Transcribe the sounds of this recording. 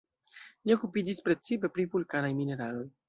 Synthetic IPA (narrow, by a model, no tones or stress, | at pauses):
lio̞kupid͡ʒispɾe̞t͡sipe̞pɾivulkanajmine̞ɾalo̞j